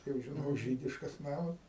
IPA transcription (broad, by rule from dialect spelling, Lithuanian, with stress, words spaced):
ˈtɐɪ jɛʊ ʒʲɪˈnoːk ˈʒʲiːdʲɪʃkɐs ˈnɑːmɐs